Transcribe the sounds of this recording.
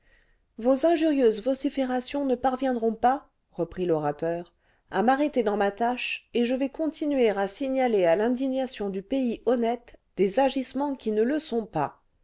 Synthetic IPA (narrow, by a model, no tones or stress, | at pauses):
vozɛ̃ʒyʁjøzvɔsifeʁasjɔ̃nəpaʁvjɛ̃d̪ʁɔ̃pa | ʁəpχilɔʁat̪œʁ | a̰maʁet̪ed̪ɑ̃mat̪aʃeʒəvɛkɔ̃t̪ʰinɥeʁasiɲalealɛ̃d̪iɲasjɔ̃d̪ypeiʔɔnɛt̪d̪̥ezaʒismɑ̃kʲinələsɔ̃pa